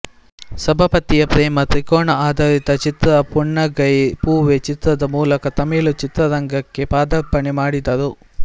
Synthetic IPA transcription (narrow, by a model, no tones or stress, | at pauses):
sɐbʱɐpɐt̪ijɐpɾɛːmɐt̪ɾikoːɳɐaːd̪ʱɐɾit̪ɐt͡ʃit̪ɾɐpuɳːɐɡɐjpuːʋet͡ʃit̪ɾɐd̪ɐmuːlɐkɐt̪ɐmiːlut͡ʃit̪ɾɐɾɐŋɡɐkːepaːd̪ɐpːɐɳimaːɽid̪ɐɾu